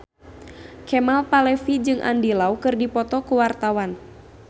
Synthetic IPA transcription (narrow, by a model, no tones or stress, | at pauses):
kɛmalpalɛfid͡ʒɨŋʔa̰ndilaukɨrdipɔt̪ɔkuwart̪awan